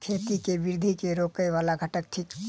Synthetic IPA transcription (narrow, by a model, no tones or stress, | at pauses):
kʰeːt̪ikebɪɾd̪ʱikeɾoːkəjʋaːlaɡʱəʈək̚ʈʰik